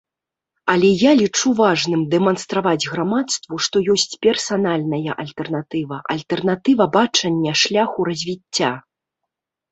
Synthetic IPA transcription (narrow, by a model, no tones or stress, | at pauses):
ɐlʲɛjalʲit͡ʂuvaʐnɨmd̪ɛmɐnst̪ɾavad͡zʲɣɾamat̪st̪vuʂt̪ɔjɔsʲt͡sʲpʲɛrsanalʲnɐjɐ̰ʔɐlʲt̪ɛrnat̪ɨvɐʔɐ̰lʲt̪ɛrnat̪ɨvɐbat͡ʂɐnʲːɐʂlʲaxuɾɐzʲvʲit͡sʲːa